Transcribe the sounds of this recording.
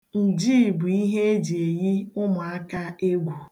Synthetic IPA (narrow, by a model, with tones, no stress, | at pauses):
n̩˨d͡ʒiː˦˨bʊ˨i˦ɦe˦e˦d͡ʒe˨ji˦ʊ˦mʊ˨a˦ka˦e˦ɡʷu˨